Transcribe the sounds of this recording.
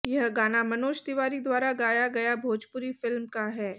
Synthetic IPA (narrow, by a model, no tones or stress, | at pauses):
jɐɦɡaːnamɐnoːʃd̪ɪʋaːɾid̪ʋaːɾaɡaːjaɡɐjabʱoːd͡ʒpʊɾifɪlmkaɦɛː